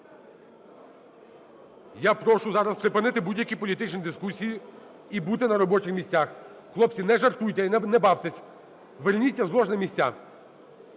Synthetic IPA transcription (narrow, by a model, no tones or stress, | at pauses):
japɾɔʃʊzɑɾɐspɾɪpɪnɪt̪ɪbudʲjɐkʲipɔlʲit̪ɪt͡ʃnʲid̪ɪskusʲiji | ibut̪ɪnɐɾɔbɔt͡ʃɪxmʲisʲt͡sʲax | xlˠɔp̚t͡sʲinɛʒɐrt̪ujt̪ʲɛnɛbɑwt̪ɪsʲ | ʋernʲit͡sʲːɐzlˠɔʒnɐmʲisʲt͡sʲa̰